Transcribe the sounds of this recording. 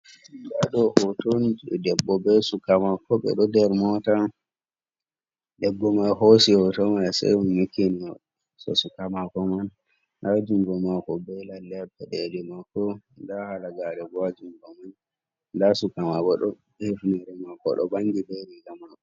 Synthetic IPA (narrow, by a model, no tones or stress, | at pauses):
daɗɔhotɔndɛbːɔbɛsukamakɔɓɛ̰ɗɔdɛɾmɔta | ɗɛbːɔmajhosihɔtɔmajsɛ̰junmikːini | sɔ̰sukamakɔman | ʔad͡ʒumɡɔmakɔbɛlalɛbːɛɗɛdɛmakɔndahalaɡaɗɛɡad͡ʒuŋɡɔmanː | dasukamakɔɗɔ | ɛfnɛɾɛmakɔ̰ɗɔ̰baŋɡibɛlɛɡamakɔ